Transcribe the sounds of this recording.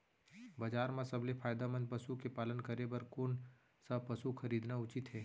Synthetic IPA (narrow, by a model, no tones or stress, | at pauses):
bad͡ʒaːɾmãsɐblepʰaːjd̪amə̃nd̪̚pɐsukepaːlənkɐɾebɐɾkoːn | sɐpɐsuxʰɐɾiːd̪naʊt͡ʃɪt̪ɦɛː